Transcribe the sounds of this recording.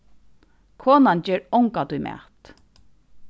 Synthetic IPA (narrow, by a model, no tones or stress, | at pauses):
kʰoːnand͡ʒɛːɹɔwŋkat̪ʊjmʔɛ̰ːt̪